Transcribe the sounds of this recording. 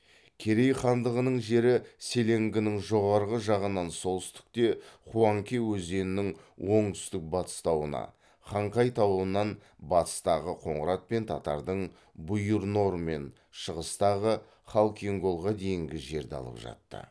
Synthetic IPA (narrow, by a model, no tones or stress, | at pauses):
kʲʰe̞ɾe̞jχɑnd̪əʁənəɴʒe̞ɾɪse̞le̞ŋɡʲɪnɪŋʒo̞ʁɑɾʁəʒɑʁənɑnso̞lˠʏst̪ɪ̥k̚t̪e̞χuɑŋkʲewɵze̞nɪnɪŋ | wʔo̞ɴt̪ʰʏ̥st̪ɪk̚bɑt̪ə̥st̪ɑwənɑ̰ | χɑɴqɑjt̪ʰɑwənːɑnbɑt̪ə̥st̪ɑʁəqʰo̞ɴʁəɾɑt̪̚pe̞nt̪ʰɑt̪ɑ̰ɾd̪əɴ | bʊjəɾno̞ɾme̞̰n | ʃəʁəst̪ɑʁə | χɑlˠkʲʰieŋɡo̞lˠʁɑd̪e̞jɪŋɡʲɪʒe̞ɾd̪ɑ̰lˠə̰pʒɑ̰t̪ːə̰